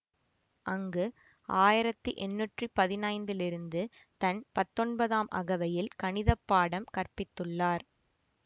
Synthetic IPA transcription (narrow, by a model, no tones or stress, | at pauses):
ʔɐŋɡɯ | aːjɪɾɐt̪ːɯʔɛnːuʈripɐðɪnɐɪnd̪ɪlɪɾɯnd̪ɯ | t̪ɐnpɐt̪ːɔɳbɐðaːmʔɐ̰ɣɐʋɐjɪlkɐnɪðɐpːaːɽɐmkɐrpɪt̪ːɯɭːaːɾ